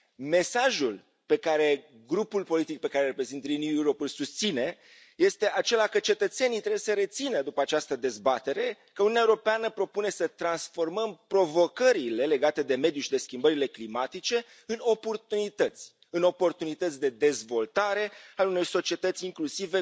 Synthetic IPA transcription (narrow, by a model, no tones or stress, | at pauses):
me̞saʒul | pe̞kaɾe̞ | ɡɾupulpo̞lit̪ik̚pe̞kaɾerepɾe̞zint̪linujuɾopulsust̪sine̞ | je̞st̪e̞ʔat͡ʃe̞lakət͡ʃe̞t̪ət̪se̞nit̪ɾebjesəɾe̞t̪sinəd̪upəat͡ʃast̪əd̪e̞zbat̪e̞ɾe̞ | kəununeaeuɾo̞peanəpɾo̞pune̞sət̪ɾansfo̞rməmpɾo̞vo̞kəɾile̞le̞ɡat̪e̞d̪e̞me̞d̪juʃid̪e̞skʲimbəɾile̞klimat̪it͡ʃe̞ | ɨno̞po̞rt̪unit̪ət̪sʲ | ɨno̞po̞rt̪unit̪ət̪sʲd̪e̞d̪e̞zvo̞lt̪aɾe̞aluno̞rso̞t͡ʃie̞t̪ət̪sʲiŋklusive